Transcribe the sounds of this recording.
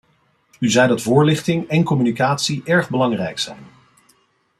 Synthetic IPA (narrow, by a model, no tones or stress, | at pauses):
yzɛjdɑtvʊːɹlɪχtɪŋɛnkɔmynikaːtsiʔɛɹχbəlɑŋrɛjksɛ̰jn